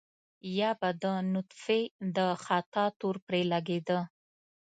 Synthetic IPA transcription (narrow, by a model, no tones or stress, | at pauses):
jɑbad̪ənʊt̪fed̪əxɑt̪ɑt̪oɾpɾelaɡed̪ə